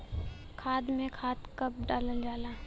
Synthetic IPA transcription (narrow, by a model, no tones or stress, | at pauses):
kʰaːd̪mẽkʰaːt̪kəp̚ɖaːləld͡ʒaːlaː